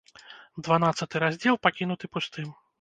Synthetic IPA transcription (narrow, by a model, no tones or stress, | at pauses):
d̪vanat̪sːɐt̪ɨɾazʲd͡zʲɛlˠpakʲinut̪ɨpust̪ɨm